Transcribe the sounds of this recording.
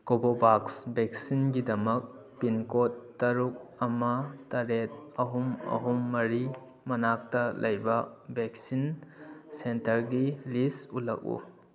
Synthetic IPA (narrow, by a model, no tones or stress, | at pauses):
kobobaksbek̚sinɡidɐmɐk̚ | pinkotːɐɾuk̚ɐmɐtɐɾet̚ɐɦumɐ̰ɦumːɐɾi | mɐnak̚tɐlʔɐjbɐbek̚sinsentɐɾɡilisulɐ̰k̚ṵ